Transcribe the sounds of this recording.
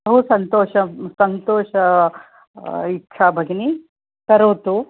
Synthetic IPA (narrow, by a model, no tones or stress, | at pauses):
ɐɦusɐnt̪oːʃɐsɐnt̪oːʃɐ | ikʂʰaːbʱɐɡini | kɐɾoːt̪u